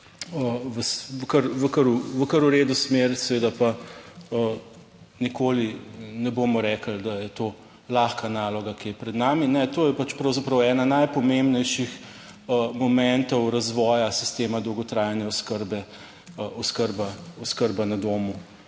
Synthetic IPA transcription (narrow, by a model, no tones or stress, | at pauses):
əʋəsʋəkəɾʋəkəɾuʋəkəɾuɾeːd̪usmeɾsɛʋeːd̪apaə | nikʰoːlinɛboːmɔɾɛkəld̪ajɛt̪oː | laxkanalɔɡakijɛpɾɛd̪naːminɛt̪oːjɛpat͡ʃpɾɐwzapɾɐwɛːnanajpɔmembnɛjʃix | mɔmɛnt̪ɔwɾazʋɔːjasi̥st̪eːmad̪ɔwɡɔt̪ɾajanjaɔskəɾbɛ | ɔskəɾbaɔskəɾbanad̪oːmu